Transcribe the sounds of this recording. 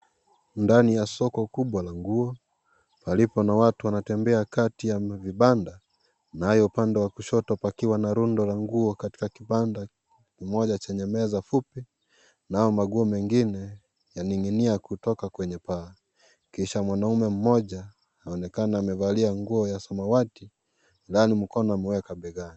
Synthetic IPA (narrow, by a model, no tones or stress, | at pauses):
ndanijasɔkɔkuɓwalaŋɡuɔ | palipɔnawatuwanatɛmbɛakatijaviɓanda | nahajɔupandɛwakuʃɔtɔtpakiwanaɾundɔlaŋɡuɔkati̥kakianda | kimɔʄat͡ʃɛɲɛmɛzafupi | naajɔmaɡuɔmɛŋɡinɛ | janiŋiniakutɔkakwɛɲɛpaː | kiʃamwanaumɛm̩mɔʄa | aɔnɛkanaːmɛvaliaŋɡuɔjasɔmawati | lanim̩kɔnɔamɛwɛkaɓɛɣani